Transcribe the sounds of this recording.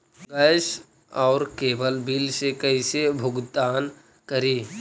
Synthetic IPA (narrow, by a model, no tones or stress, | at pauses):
ɡəjs | ɔːɾkeːbəlbiːlsekəisebʱʊɡd̪aːn | kəɾiː